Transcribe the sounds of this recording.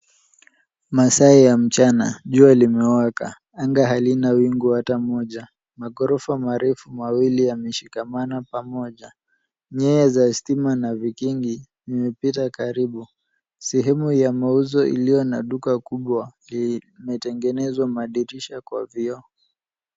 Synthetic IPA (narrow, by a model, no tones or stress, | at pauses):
masaijam̩t͡ʃana̰ʄualimɛwaka̰ | aŋɡaɦalinawiŋɡuhatamɔʄa | maɡɔɾɔfamaɾɛfumawilijamɛʃikamanapamɔʄa | ɲɛɛzastimanavikiŋɡinimɛpitakaɾiɓu | sɛɦɛmujamauzɔʔḭlijɔnaɗukakuɓwali | mɛtɛŋɡɛnɛzwamaɗiɾiʃakwa̰viɔ